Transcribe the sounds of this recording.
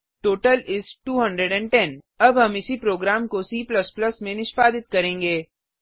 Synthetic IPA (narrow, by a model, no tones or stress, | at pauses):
ʈoːʈəlɪzʈuːɦɐ̃ɳɖɾeɖɛ̃ɳɖʈɛn | ɐbʱɦɐmɪsipɾoːɡɾaːmkosiːplɐsplɐsmẽnɪʃpaːd̪ɪt̪̚kɐɾẽːŋɡeː